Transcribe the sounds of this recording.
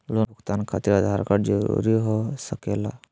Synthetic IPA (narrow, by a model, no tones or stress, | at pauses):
lobʱʊkt̪ankʰat̪iɾəd̪ʱaɾkaɾd͡ʒəɾṵɾiɦosəkela̰